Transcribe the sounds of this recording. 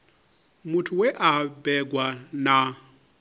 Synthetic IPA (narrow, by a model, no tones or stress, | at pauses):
mutʰuwɛʔabɛɡwana